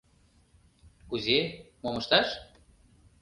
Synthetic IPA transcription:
kuze | momɤ̆ʃt̪ɑʃ

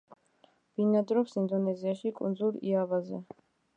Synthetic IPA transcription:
b̥inad̪ɾɔpsind̪ɔnɛziaʃikʼṵnd̪zulˠḭavazɛ̰

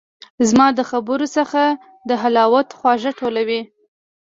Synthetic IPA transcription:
zmɑd̪əxabəɾosəxa | d̪əɦalɑwat̪xwɑʒaʈʰolawi

